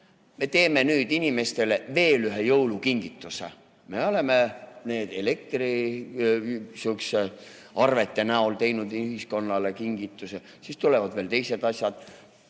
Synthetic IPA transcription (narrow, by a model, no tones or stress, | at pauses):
me̞t̪e̞ːme̞nyːd̪̥inime̞st̪e̞le̞ve̞ːlyɦejɤwlukiŋɡ̥it̪ːˑusḛ | me̞o̞le̞mene̞ːd̪̥e̞le̞k̚t̪ri | syokse | ɑrve̞t̪ːˑe̞næolt̪e̞jnud̪yɦisko̞nːɑle̞kiŋɡ̥it̪ːˑuse | sist̪ule̞vɑd̪̥ve̞ːlt̪e̞jse̞d̪̥ɑsʲjɑd̪̥